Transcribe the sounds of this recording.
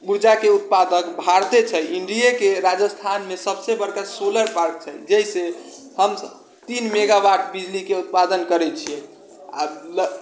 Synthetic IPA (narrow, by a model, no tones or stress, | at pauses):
muɾd͡ʒakeut̪̚pad̪əkbʱaɾt̪et͡ʃʰəjiɳɖijakeɾad͡ʒəst̪ʰanmesəbsebəɾkasoləɾpaɾk̚t͡ʃʰəjd͡ʒeɦise | həmsəb | t̪inmeɡabaʈʰbid͡ʒlikeut̪̚pad̪ənkəɾɛt͡ʃʰiɛ | a̰lə